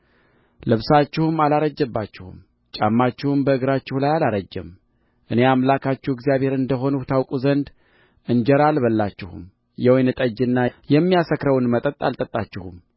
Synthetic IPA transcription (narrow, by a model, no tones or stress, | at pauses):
lɨβsat͡ʃːɪhumalaɾəd͡ʒːɛbːat͡ʃːɪhṵm | t͡ʃʼamːat͡ʃːɪhumbəɨɡɾat͡ʃːɪhulajalaɾəd͡ʒːɛm | ʔɨne̞amlakʰat͡ʃːɪhɪɡzijaβhe̞ɾɨnd̪əɦo̞nut̪ʰawkʼuzənd̪ | ʔɨnd͡ʒɛɾalbəlːat͡ʃːɪhṵm | jɛwɔjnɨt̪ʼəd͡ʒɨnːajɛmːijasəkɾəwnmət̪ʼət̪ʼa̰lt̪ʼət̪ʼːat͡ʃːɪhum